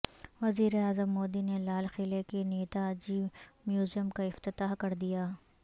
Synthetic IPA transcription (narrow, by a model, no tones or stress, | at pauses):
ʋɐziːɾeaːzəmːoːd̪inelaːlxeːlekeneːt̪ad͡ʒiːmjuːzijəmkaɪft̪ɪt̪aːɦkɐɾd̪ijaː